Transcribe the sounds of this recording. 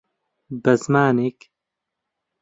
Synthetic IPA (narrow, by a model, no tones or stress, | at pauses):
bɐzmaːnek